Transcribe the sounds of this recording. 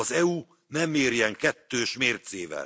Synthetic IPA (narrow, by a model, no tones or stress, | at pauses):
ɒzɛuː | nɛmːeːrjɛŋkɛt̪ːøːʃmeːrt̪seːvɛ̰l